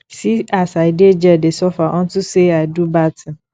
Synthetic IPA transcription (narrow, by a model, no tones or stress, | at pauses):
siasaɪdɪed͡ʒɛdesɔfaʔɔ̃n̩tʊseaɪdubatʰɪ̃n